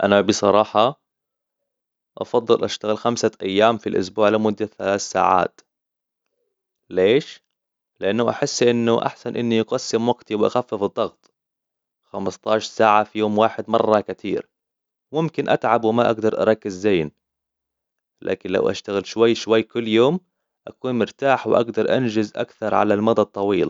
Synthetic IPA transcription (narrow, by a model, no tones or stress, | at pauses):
ʔanabɨsˤɑɾˤɑːħɑ | ʔɑ̰fɑðˤːɨlʔaʃt̪aɣɪlxamsaʔajːaːmfilʔʊ̰sbuːʕlɪmʊd̪ːaθalaːθsa̰ːʕa̰ːt̪ | leːʃ | lɪʔanːaʔaħɪsːʔɪnːʊʔa̰ħsanʔɪnːijɑqɑsːɪmwaɡt̪iwɪʔa̰xafːɪfɨd̪ˤːɑɣt̪ˤ | xamɪst̪ˤɑːʃɑɾˤsaːʕafijoːmwaːħɪd̪mɑrˤːɑkat̪ʰḭːɾ | mʊmkɪnʔat̪ʕabwɪmaʔaɡd̪ɑɾˤʔɑ̰ɾˤɑkːɪzːeːn | lʔa̰ːkɪnla̰wʔa̰ʃt̪aɣɪlʃwajːʃwajːkʊlːjoːm | ʔakuːnmʊɾt̪aːħwɪʔa̰ɡd̪ɑɾˤʔa̰nd͡ʒɪzʔa̰kθɑɾˤʕalalmɑd̪ˤɑt̪ˤːɑwiːl